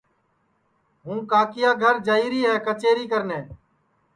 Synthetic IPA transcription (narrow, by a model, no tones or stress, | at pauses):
ɦũːkaːkɪjaːɡʱəɾd͡ʒaːiːɾiːɦɛːkət͡ʃeːɾiːkəɾneː